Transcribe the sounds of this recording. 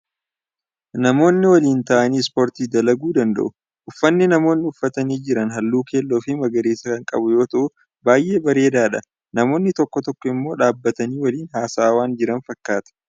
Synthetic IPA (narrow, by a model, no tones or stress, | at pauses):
nɐmo̞ːnːɪwɐliːnt̪ɐʔɐniːspo̞ːɾt̪iːd̪ɐlɐɡuːd̪ɐnd̪ɐ̰ʔʊ | ʔʊfːɐnːɪnɐmo̞ːnːɪʊfːɐt̪ɐniːd͡ʒɪɾɐnɦɐlːuːke̞ːlːoːfɪmɐɡɐɾeːsɐkɐŋkʼɐ̰bʊjo̞ːt̪ɐʔʊ | baːjʔe̞ːbɐɾe̞ːd̪aːᶑɐ | nɐmo̞ːnːɪt̪ɔkːɔt̪ɔkːɔɪmːo̞ːᶑaːbːɐt̪ɐniːwɐliːnɦaːsaːwaːnd͡ʒɪɾɐnfɐkːaːt̪ɐ̥